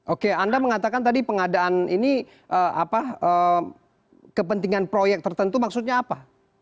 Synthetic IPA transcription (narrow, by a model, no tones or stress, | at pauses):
ʔokeandaməŋat̪akant̪adipəŋadaʔanini | ʔəʔa̰paə | kəpənt̪iŋanpɾojɛk̚t̪ərt̪ənt̪umaksut̪̚ɲaːpa